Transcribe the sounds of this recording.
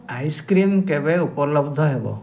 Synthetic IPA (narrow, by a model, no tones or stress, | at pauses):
ajskɾimkebeupɔlɔbd̪ʱɔɦebɔ̰